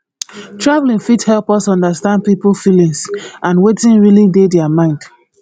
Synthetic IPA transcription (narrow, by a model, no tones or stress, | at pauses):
tɹavlĩŋfithɛlˠpɔsɔ̃ndəstãnd̚pipl̩filĩŋsʔãnwetĩnɹilidedɛamãɪ̃nd̥